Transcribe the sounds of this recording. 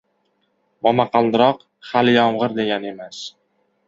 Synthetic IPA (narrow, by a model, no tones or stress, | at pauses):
mɒmaqɑlˠd̪ɪɾɒq | χaljɒmʁɨɾd̪eɡʲane̞mas